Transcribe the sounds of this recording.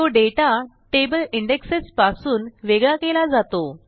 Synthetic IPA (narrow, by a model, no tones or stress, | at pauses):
t̪oɖeʈa | ʈebəliɳɖeksespasuːnʋeɡɭakelad͡zat̪o